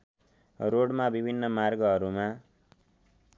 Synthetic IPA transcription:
roɽmabibʱinːʌmarɡʌɦʌɾuma

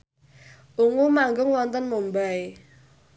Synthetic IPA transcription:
ʔuŋumaŋɡʊŋwɔnt̪ənmombae

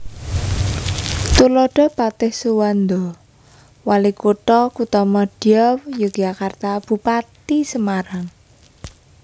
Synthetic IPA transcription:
t̪ulɔɖ̥ɔ̤pat̪ɪhsuwand̪ɔ | walikuʈ̪ɔkut̪ɔmɔɖ̥iɔwjəɡ̥akart̪ab̥ṳpat̪isəmaɾaŋ

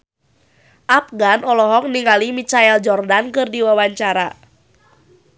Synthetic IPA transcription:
ʔap̚ɡanɔlɔɦɔk̚niŋalimit͡ʃaɛld͡ʒɔrdankɨrdiwawaɲt͡ʃaɾa

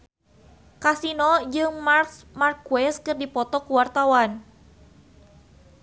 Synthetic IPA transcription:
kasinɔd͡ʒɨŋmarksmarkwɛskɨrdipɔt̪ɔkuwart̪awan

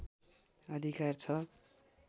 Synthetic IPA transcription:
ʌd̪ʱikart͡sʰʌ

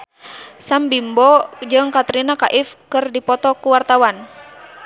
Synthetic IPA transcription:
sambimbɔd͡ʒɨŋkat̪ɾinakaʔifkɨrdipɔt̪ɔkuwart̪awan

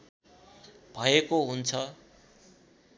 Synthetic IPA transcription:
bʱʌekoɦunt͡sʰʌ

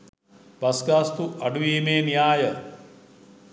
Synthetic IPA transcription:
bɐsɡaːst̪uʔɐɖuʋiːmeːnijaːjə

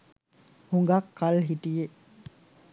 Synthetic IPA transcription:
huŋɡɐkːɐlɦiʈije

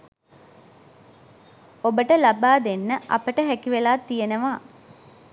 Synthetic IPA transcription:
obəʈəlabaːd̪enːəʔa̰pəʈəɦækiʋelaːt̪ːijenəʋaː

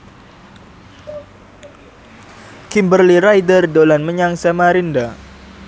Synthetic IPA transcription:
kimbərlirajdərdolanməɲaŋsamaɾinda

